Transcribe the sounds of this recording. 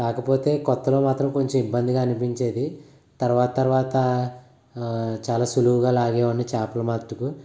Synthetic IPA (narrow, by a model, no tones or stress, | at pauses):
kaːkɐpo̞ːt̪e̞ːkɔt̪ːɐlo̞ːmaːt̪ɾɐmko̞ɲt͡ʃɐmibːɐnd̪iɡaːnipiɲt͡ʃe̞ːd̪i | t̪ɐɾʋaːt̪ɐt̪ɐɾʋaːt̪ɐ | t͡ʃaːlaːsuluuɡaːlaːɡɛːʋɐnit͡ʃaːpɐlɐmat̪ɾuku